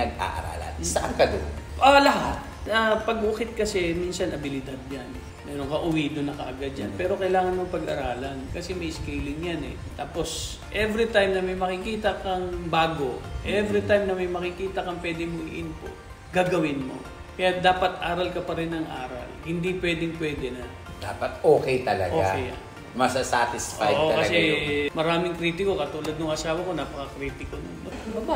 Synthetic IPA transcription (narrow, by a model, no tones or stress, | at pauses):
ɐɡ̚a̰ʔɐ̰ɾa̰ːlɐ̰nsɐʔaŋkɐd̪o̰ʔolɐɦat̪̚ | ɐpɐɡukɪt̪̚kɐsɛmiːnsɐnʔɐbɪlɪd̪ad̪̚jan | mɛːɾo̞ŋkɐʔʊwiːd̪onɐkɐ̰ʔɐɡad̪̚d͡ʒanpɛːɾo̞kɐjlaːŋɐnmopɐɡɐ̰ɾaːlɐnkɐsɛmɐjskɛjlɪŋjanɛ̰ | t̪aːpo̞s | ʔɛvɾit̪ajmnɐmɐjmɐkɪkiːt̪ɐkɐŋbaːɡoʔɛvɾit̪ajmnɐmɐjmɐkɪkiːt̪ɐkɐŋpwɛːd̪ɪmʊʔɪnpo̰ | ɡaːɡɐwɪnmo̞̰ | kɐjad̪aːpɐt̪ʔaːɾɐlkɐpɐɾɛnɐŋʔa̰ːɾɐ̰lhɪnd̪ipwɛːd̪ɪŋpwɛːd̪ɛnɐ | d̪̥a̰ːpɐt̪oːkɛjt̪ɐlɐ̰ɡʔoːakɛj | mɐsasat̪ɪsʔa̰jːʔoɐkɐɐsɛmɐɾaːmɪŋkɾiːt̪ɪko̞kɐt̪uːlɐd̪nʊŋɐsaːwɐko̞naːpɐkɐkɾiːt̪ɪkonʊŋmɐɡɐbɐba